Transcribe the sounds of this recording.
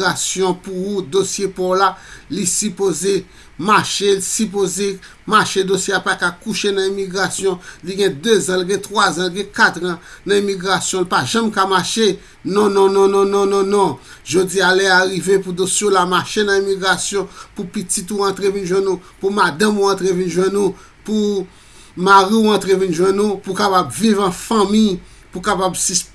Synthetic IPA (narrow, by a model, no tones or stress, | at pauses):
asjɔ̃puud̪osjepɔlalisypoze | maʃelisyp̬oze | maʃed̪osjeapakakuʃenãimiɡʁasjɔ̃liɡɛ̃d̪øzãlɡɛ̃t̪ʁwazãlɡɛ̃kat̪ʁãnãimiɡʁasjɔ̃lpaʒãmkamaʃe | nɔ̃nɔ̃nɔ̃nɔ̃nɔ̃nɔ̃nɔ̃ | ʒod͡zialɛaɣivepud̪õsjolamaʃenãimiɡʁasjɔ̃pupitit̪uãt̪ʁevinʒwɛ̃nupumad̪ãmuãt̪ʁevinʒwɛ̃nu | pu | maʁiuãt̪ʁevinʒwɛ̃nupukapabvivãfɐ̃mij | pukapabsis